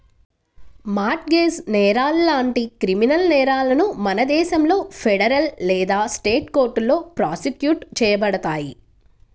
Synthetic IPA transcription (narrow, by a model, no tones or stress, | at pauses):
maːʈ̚ɡeːsnɛːɾaːlːaːɳʈikɾiminɐlnɛːɾaːlɐnumɐnɐd̪ɛːʃɐmlo̞ːpʰɛɽɐɾɐllɛːd̪aːsʈeːʈko̞ːɾʈlo̞ːpɾaːsikjuːʈt͡ʃɛːjɐbɐɽɐt̪aːji